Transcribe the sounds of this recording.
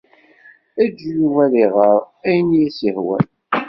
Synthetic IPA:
æd͡ʒujuwæliʁəɾˤ | æjənjæsihwæ̰n

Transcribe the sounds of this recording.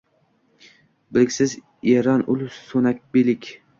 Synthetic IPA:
bɪlɪkʲsɪz | eɾɒnʔʊlʊʃsonak̚ʲbelɪkʲ

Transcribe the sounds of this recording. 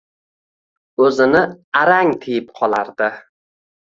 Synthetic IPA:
ɵzɪnɪaɾaŋt̪ʰɪjɪp̚qʰɒlˠaɾd̪ɪ

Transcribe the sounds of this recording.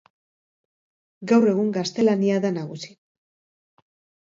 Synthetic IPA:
ɡawre̞ɣuŋɡast̪e̞laniaðanaɣ̞usi̥

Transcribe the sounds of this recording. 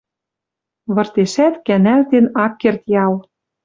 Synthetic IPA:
βɤ̆rt̪eʃæt̪kænælt̪enɑkːert̪jɑl

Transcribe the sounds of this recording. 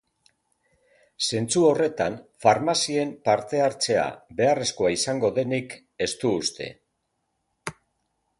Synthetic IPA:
se̞nt͡suo̞re̞t̪anfaɾmasie̞mpaɾt̪e̞aɾt͡se̞a̰be̞are̞sko̞aisaŋɡo̞ðe̞nik | e̞st̪uːst̪ʰe̞̰

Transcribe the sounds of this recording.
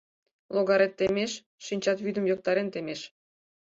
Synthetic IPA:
loɣɑɾet̪ːemeʃː | inʲt͡ɕɑt̪βyd̪ə̆mjok̚t̪ɑɾent̪emeʃ

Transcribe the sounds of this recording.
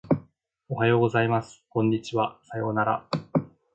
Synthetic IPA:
o̞ɦajo̞ːɡo̞zaimasɨ̥kõ̞ɲ̟ːit͡ɕiβasajo̞ːnaɾa̰

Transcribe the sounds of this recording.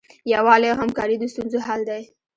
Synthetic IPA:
jawɑleawɦamkɑɾid̪əst̪unzoɦald̪aj

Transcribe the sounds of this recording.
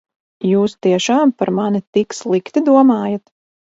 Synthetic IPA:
juːst̪iɛʃaːmpaɾmanit̪ikslˠikt̪id̪uɔmaːjat̪

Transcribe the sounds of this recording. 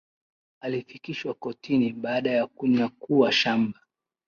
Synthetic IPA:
alifikiʃwakɔtʰiniɓaːɗajakuɲakuwaʃamba

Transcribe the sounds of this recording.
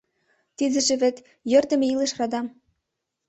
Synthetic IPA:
t̪id̪ɘ̆ʒĕβĕt̪ | jørd̪ə̆meilĕʃrɑd̪ɑm

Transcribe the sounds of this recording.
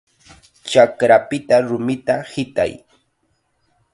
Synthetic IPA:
t͡ʃakɾapɪt̪aɾʊmɪt̪ahɪt̪a̰j

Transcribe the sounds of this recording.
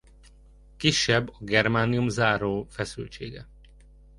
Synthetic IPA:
kiʃːɛbːɒɡɛrmaːnijumzaːɾoːfɛsy̰lt͡ʃeːɡɛ̰

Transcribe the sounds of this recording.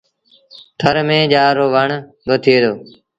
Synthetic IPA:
t̪ʰəɾmẽːd͡ʒaːɾoːʋəɳ | bət̪ʰeːd̪oː

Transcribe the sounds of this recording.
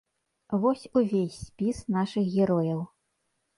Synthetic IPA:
vɔsʲuvʲesʲːpʲisnaʂɨxɣʲɛɾɔjɐw

